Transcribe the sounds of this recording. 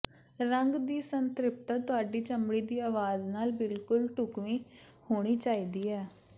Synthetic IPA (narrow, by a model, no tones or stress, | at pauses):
ɾəŋɡd̪iːsənt̪ɾɪp̚t̪aːt̪ʊaːɖiːt͡ʃəmɽiːd̪iːaːʋaːznaːlbɪlkʊlʈʊkʋĩː | hoːɽ̃iːt͡ʃaːiːd̪iːɛː